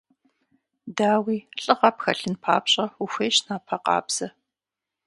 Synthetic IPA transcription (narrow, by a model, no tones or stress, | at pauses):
daːwiːɬʼɨʁɐpxɐɬɨnpʰa̰ːpɕʼɐuxʷeːʃnaːpʰɐqɑ̰ːbz̥ɐ